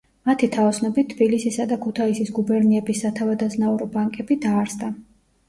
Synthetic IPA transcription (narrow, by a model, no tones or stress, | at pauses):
mat̪ʰit̪ʰavɔsnɔbit̪ʰːbilisisad̪akʰut̪ʰaisisɡubɛɾniɛbisːat̪ʰavad̪aznauɾɔbaŋkʼɛbid̪aːɾsd̪a